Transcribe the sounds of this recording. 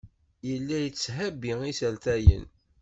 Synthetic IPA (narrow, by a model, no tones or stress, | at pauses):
jəlːæjət͡sːhæbiisælt̪æjə̰n